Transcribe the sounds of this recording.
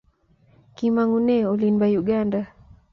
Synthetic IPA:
kimaŋunɛɔlimbajuɡanda

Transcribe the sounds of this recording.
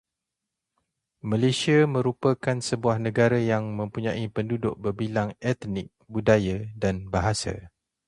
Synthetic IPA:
mãlesiamə̃ɾupəkansəbuahnə̃ɡaɾajaŋmə̃mpuɲãʔipəndudʊʔ̚bərbilaŋɛt̪nɪk̚budajadanbaɦasa̰

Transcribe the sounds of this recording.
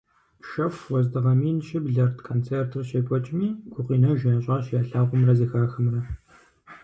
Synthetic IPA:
ʃɐfwɔzdɨʁɐmiːnɕʼɪbɮɐrtʰkʰoːnt͡sʰeːrtʰɨrɕeːpʷʼɔt͡ʃʼmiːɡʷʼʊqiːnɐwʒɪnɐɕʼɐːɕjaːɬaːʁʷʊmrɐziːxaːxɐmrɐ

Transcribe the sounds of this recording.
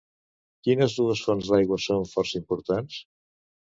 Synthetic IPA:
kinəzðuəsfonzðajɣwəsonfɔɾsəimpuɾt̪ans

